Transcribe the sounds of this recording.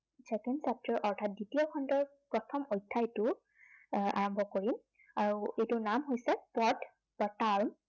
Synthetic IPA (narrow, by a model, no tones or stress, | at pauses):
sɛkɛnsap̚tʰɔɹʔɔɹtʰat̚ditijɔkʰɔndɔɹpɹɔtʰɔmojtʰːatʊ | a̰ɹɔmbʱɔkoɹim | aɹuejtʊnamɦojsɛpɔɹt | b̥ataɹm